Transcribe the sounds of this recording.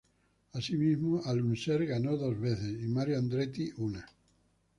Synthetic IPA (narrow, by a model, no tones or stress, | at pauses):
asimizmualunseɾɣanoðozβeθesimaɾjoand̪ɾet̪iʔuna